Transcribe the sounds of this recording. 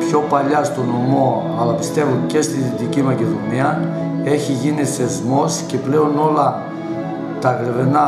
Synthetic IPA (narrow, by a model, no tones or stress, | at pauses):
pço̞pɐʎɐst̪o̞nomo̞ | ɐlɐpist̪e̞vunce̞st̪iðit̪icimɐce̞ðo̞niɐ | e̞çiʝiniθe̞zmo̞sce̞ple̞o̞no̞lɐ | t̪ɐɣɾevenɐ